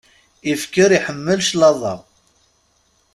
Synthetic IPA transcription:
ifkəɾiħəmːəlʃlɑðˤɑ̰

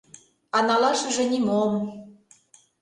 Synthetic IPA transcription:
ɑnɑlɑʃɤ̆ʒĕnimom

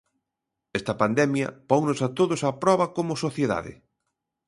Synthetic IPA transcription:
ɛst̪ɐpand̪ɛmjɐ̰pɔŋnʊsat̪oðʊsɐpɾɔβɐkomʊsoθjeða̰ðɪ̰

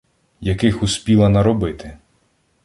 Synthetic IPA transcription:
jɐkɪxuspʲilˠɐnɐɾɔbɪt̪ɪ

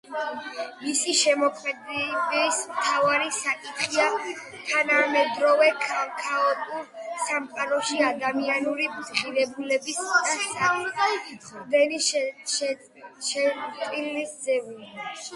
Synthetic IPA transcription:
misiʃɛmɔkʰmɛd̪bismt̪ʰavaɾisakʼit̪ʰχia | t̪ʰanamɛd̪ɾɔvɛkʰkʰaɔt̪ʼuɾsamqʼaɾɔʃiad̪amianuɾibd̪χiɾɛbulɛbisasʼal | d̪ɛni | ʃɛt̪ʼilisd̪zɛuli

